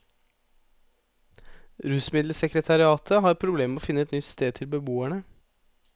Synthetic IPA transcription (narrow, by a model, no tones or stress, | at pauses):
ɾʉːsmɪd̪ləsɛkɾət̪ʰɑɾɪɑːt̪ʰəhɑːɾpʰɾʊbleːməoːfɪnəɛt̪nʏt̪st̪eːd̪t̪ʰɪlbəbuːæɳə